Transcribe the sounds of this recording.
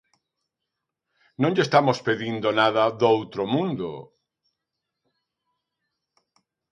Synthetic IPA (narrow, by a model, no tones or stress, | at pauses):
nõŋʎest̪amospeðind̪onaðaðowt̪ɾomũnd̪o̰